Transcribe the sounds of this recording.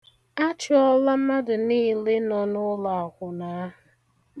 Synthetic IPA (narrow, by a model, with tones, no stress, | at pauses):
a˦t͡ʃɪ˨˦ɔ˦la˦ma˦dʊ˨niː˦le˦nɔ˨nʊ˦la˨a˨kʷʊ˨na˨˦ɦʊ˨